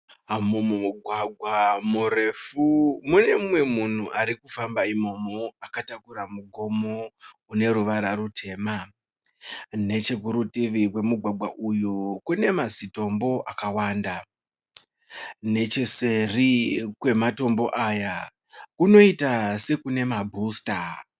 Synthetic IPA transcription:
mumumuɡʱwaɡʱwamure̞fumune̞mmwe̞mun̤uʔaɾikufambaimo̞moakatakuɾamuɡʱo̞mo̞ | une̞ɾuʋaɾarutʰe̞ːma | ne̞t͡ʃeɡʱuɾutiʋirwe̞muɡʱwaɡʱwaʔujukune̞mazito̞mbo̞ʔakawaːnda | ne̞t͡ʃese̞rikwe̞mato̞mbo̞ʔaja | kuno̞itase̞kune̞mabʱuːsta

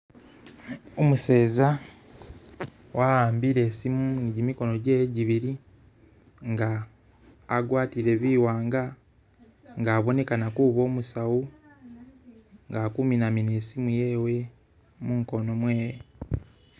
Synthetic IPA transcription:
omuse̞ːza | wʔaaːmbiɾe̞ːsimuniɟimiko̞no̞ɟe̞ːɟiβiɾi | ŋɡaː | ɡwaːtiɾe̞βiːwaːŋɡa | ŋɡaːβo̞ne̞kanakuβo̞ːmusawu | ŋɡakuminamine̞ːsimuje̞ːwe̞ | muŋko̞no̞mwe̞ːje

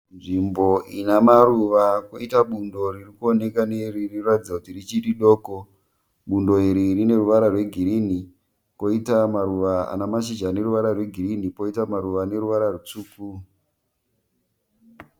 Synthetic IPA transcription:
nʐimbo̞ʔinamaruʋakoitaɓundo̞ririkuone̞kaneririratid͡zakutirit͡ʃiɗiɗo̞ːko | ɓundo̞iɾirine̞ruʋaɾarwe̞ɡʱiɾini | ko̞itamaɾuʋaa̰namaʃ̬id͡ʒane̞ɾuʋaɾarwe̞ɡʱiɾinipo̞itamaɾuʋane̞ɾuʋaɾarut͡suːku

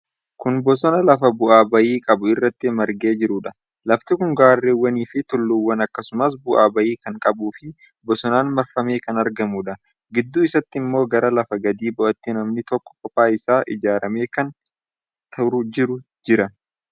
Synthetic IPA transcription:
kʊnbɔsɔnɐlɐfɐbʊʔaːbɐjiːkʼɐbʊɪrːɐt̪ːɪmɐɾɡe̞ːd͡ʒɪɾʊᶑɐ | lɐft̪ɪkʊŋɡaːrːeːwːɐniːfɪt̪ʊlːʊwːɐnɐkːɐsʊmɐs̬bʊʔa̰ːbɐjiːkɐŋkʼɐbuːfɪ | bɔsɔnaːnmɐɾfɐmeːkɐnɐɾɡɐmuːᶑɐ | ɡɪd̪ːuːɪsɐt̪ːɪɪmːo̞ːɡɐɾɐlɐfɐɡɐd̪iːbɔʔɐt̪ːɪnɐmnɪt̪ɔkːɔ̥kːɔpaːɪsaːʔɪ̰d͡ʒaːɾɐme̞ːkɐn | t̪ʰɐɾʊd͡ʒɪɾʊ | d͡ʒɪɾɐ

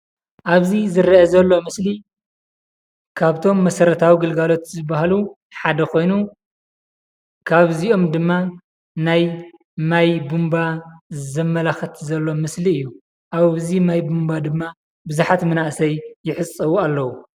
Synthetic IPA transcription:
ʔaβzizɨɾɐʔɐzɐlːo̞mɨsli | kʰaβt̪ʰo̞mːɐsɐɾɐt̪ʰawiɡɨlɡalo̞t̪zɨbaɦlu | ħad̪ɐkʰo̞jnu | kʰaβzio̞md̪ɨmːa | naj | majbumbazɐmːɐlaxɐt̪ʰzɐlːo̞mɨsliɨjːu | ʔaβzimajbumbad̪ɨmːa | bɨzaħat̪mɨnaʔsɐjjːɪħɨt͡sʼːɐwualːɐwu

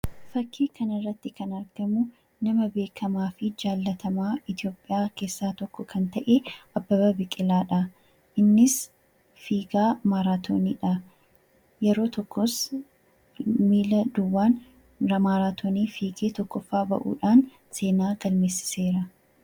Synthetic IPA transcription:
fɐkʰːiːkʰɐnɪrːɐt̪ːɪkɐnɐɾɡ̥ɐmʊ | nɐmɐbe̞ːkʰɐmaːfɪd͡ʒaːlːɐt̪ʰɐmaːɪt̪ɪo̞ːpʼːɪjaːke̞ːsːaːt̪ɔkːɔkʰɐnt̪ɐʔeʔɐbːɐbɐbɪkʼɪlaːᶑɐ | ʔɪnːɪs | fiːɡaːmaːɾaːt̪ʰo̰ːnḭːᶑɐ | jɛɾo̞ːt̪ɔkːɔs | miːlɐd̪ʊwːaːn | ɾɐmaːɾaːt̪ʰoːniːfiːɡeːt̪ɔkːɔfːaːbɐ̰ʔṵːᶑaːn | se̞ːnaːɡ̥ɐlme̞ːsːɪ̥se̞ːɾɐ

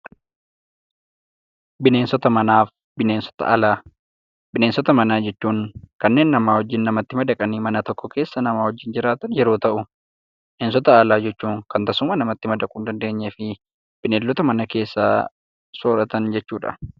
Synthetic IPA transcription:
bɪne̞ːnsɔt̪ɐmɐnaːf | bɪneːnsɔ̥t̪ɐ̰ʔɐlaː | bɪneːnsɔt̪ɐmɐnaːd͡ʒɛt͡ʃːuːŋkɐnːe̞ːnːɐmaːwɔd͡ʒːɪnːɐmɐt̪ːɪmɐd̪ɐkʼɐniːmɐnɐt̪ɔkːɔkʰe̞ːsːɐnɐmaːwɔd͡ʒːɪnd͡ʒɪɾaːt̪ɐnjɛɾoːt̪ɐʔʊ | bɪneːnsɔt̪ɐːlaːd͡ʒɛt͡ʃːuːŋkɐnt̪ɐsʊmɐnɐmɐt̪ːɪmɐd̪ɐkʼuːnd̪ɐnd̪e̞ːɲːɛfɪ | b̥ɪneːlːɔt̪ɐmɐnɐke̞ːsːa̰ː | soːɾɐt̪ɐnd͡ʒɛt͡ʃːuːᶑɐ̰

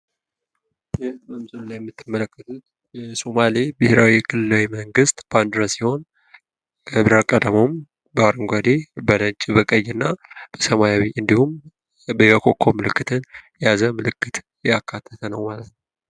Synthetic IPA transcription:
bet̪məmsʼɨnlajɛmːɨt̪ːɨmːələkːət̪ʰut̪̚ | jɛsomalibɨhɾawikʰɨlɨlawiməŋɡɨst̪b̥and̪ɾəsiho̞n | əβɾakʼəd̪əmom | baɾɨŋɡʷad̪ebələɲt͡ʃʼibəkʼəjːɨnːab̥əsəmajawiʔɨnd̪ihum | bəjəkʰokʰːomɨlɨkːɨt̪ʰɨnjazəmɨlɨkʰːɨt̪ʰ | jakʰːat̪ʰːət̪ʰənəwmalət̪nəw

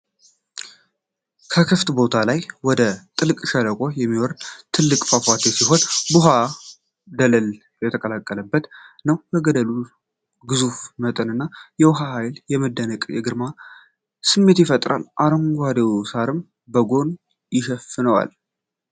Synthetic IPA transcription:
kʰəkʰɨft̪bo̞t̪ʰalajwɔd̪ət̪ʼɨlkʼʃələkʼojɛmːiwɔɾnt̪ʰɨlːɨkʼfafʷat̪ʰesiɦo̞nbuɦa | d̪ələl | jɛt̪ʰəkʼəlakʼːələbːət̪nəwbɛɡəd̪əlu | ɡɨzufmət̪ʼɨnɨnːajɛwɦaɦajljɛməd̪ːənəkʼjɛɡɨɾma | sɨmːe̞t̪jɪfət̪ʼɾa̰lʔaɾəŋɡʷad̪ewsaɾɨm | bəɡo̞n | jɪʃɛfɨnəwa̰l

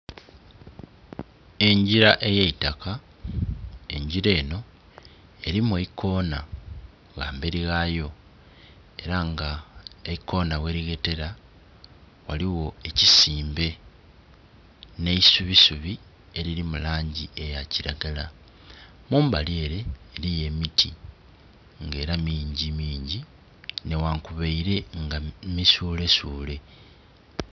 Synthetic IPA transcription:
e̞ɲɟiɾaʔe̞jeitaka | e̞̰ɲɟiɾe̞ːno̞ | e̞ɾimuweikʰo̞ːna | ɣa̰ːmbeɾiɣajo̞ | e̞ɾaŋɡaeiko̞ːnawe̞ɾiɡe̞te̞ɾa | waliwo̞e̞cisiːmbe̞ | ne̞isuβisuβi | e̞ɾiɾimulaːɲɟie̞jaciɾaɡala | muːmbale̞ːɾe̞ːlije̞mitʰi | ŋɡe̞ːɾamiːɲɟimiːɲɟi | ne̞waŋkuβeiɾe̞ŋɡamisuːle̞suːle̞

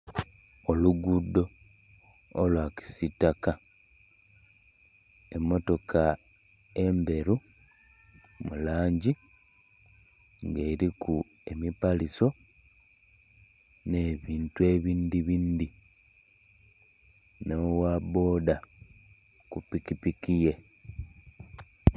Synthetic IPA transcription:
oluɡudo̞ | lwaki̥sitːaka | e̞mːo̞to̞kʰa | e̞mbe̞ɾu | mulaːɲɟi | ŋɡe̞ɾiku | e̞mipaliso̞ | ne̞ːβiːntue̞ːβiːndiβiːnd̪i | nowabo̞ːda | kupikipikije̞

